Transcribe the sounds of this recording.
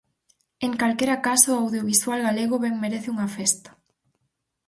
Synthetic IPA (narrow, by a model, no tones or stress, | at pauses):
eŋkalkeɾakasoawðjoβiswalɣaleɣ̞oβɛŋmeɾeθɪuŋɐfest̪ḁ